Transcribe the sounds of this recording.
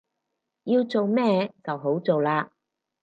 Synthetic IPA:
jiː˧wt͡so˨wmɛː˥t͡sɐ˨wɦo˨˥wt͡so˨wlaː˧

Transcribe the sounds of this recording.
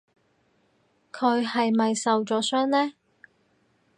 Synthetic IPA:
kʰɵ˨˧ɥhɐ˨jmɐ˨jsɐ˨wt͡sɔː˨˥sœː˥ŋlɛː˥

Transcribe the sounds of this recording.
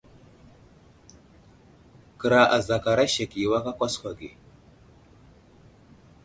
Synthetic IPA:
kə˨ɾa˨ʔa˨za˨ka˨ɾa˦ʃa˨ki˨wa˦ka˦kʷa˦skʷa˨ɡe˨

